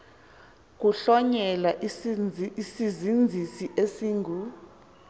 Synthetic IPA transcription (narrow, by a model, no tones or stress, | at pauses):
k̬uɬɔɲɛlaʔ | isizind͡zʱisiʔesiːŋɡʱu